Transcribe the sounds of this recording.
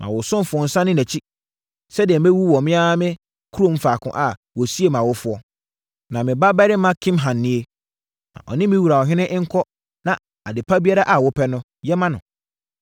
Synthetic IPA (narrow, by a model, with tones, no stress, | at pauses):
nʔã̰˨wʊ˨sʊ̃˦m˦fʊ˨ɔ˨n̩˨sã˦nɪ̃˦næ˨t͡ɕʰi˦ | sɛ˦dɪ˨ɛ˨m̩˨e˦wu˦wɔ˨mɪ̃˦a˦mɪ̃˦ | kʰu˦ɾõ˦˨m̩˦faː˨kʰʊ̰̃˨ʔa˨ | wɔ˨si˦e˦mã˨wʊ˦fʊ˨˦ɔ˦ | nã˨mɪ̃˨ba˦bɛ˦ɾɪ˦mã˦kʰɪ̃˦mɦã˨nːɪ̃˦e˦ | nã̰˨ʔɔ̰˨nɪ̃˦mɪ̃˦wu˨ɾa˨ɔ˨ɦɪ̃˦nɪ̃˦ʔɪ̃˦ŋ̩˦kʰɔ˦ | nã˨ | a˨dɪ˨pʰa˦bi˦a˦ɾa˦ʔa˨wɔ˦pʰɛ˦nʊ̃˦ | jɛ˦mã˦nʊ̰̃˨